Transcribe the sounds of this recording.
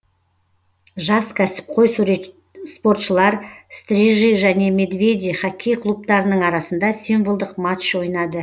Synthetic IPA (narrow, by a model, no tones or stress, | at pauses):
ʒɑskʲʰæsɪ̥p̚qʰo̞js | spo̞ɾt̪ʃəlˠɑɾst̪ɾʲiʒijʒæne̞me̞d̪ve̞d̪ʲijχɑkʲʰːijqʰlˠup̚t̪ɑɾənəɴɑɾɑsənd̪ɑsinvolˠd̪əqmat̪ʃwo̞jnɑd̪ə